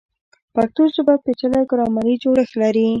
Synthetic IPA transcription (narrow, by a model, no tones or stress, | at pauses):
pak̚t̪osəbat̪̚pet͡ʃalajɡʊɾɑmaɾid͡ʒoɽəxlaɾi